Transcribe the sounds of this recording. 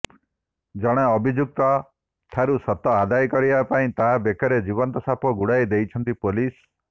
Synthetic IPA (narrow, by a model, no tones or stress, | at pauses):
d͡ʒɔɽ̃eɔbʱid͡ʒuk̚t̪ɔ | t̪ʰaɾusɔt̪ɔad̪ajkɔɾibapaĩt̪aɦabekɔɾed͡ʒibɔnt̪ɔsapɔɡuɽajd̪ejt͡ʃʰɔnt̪ipolis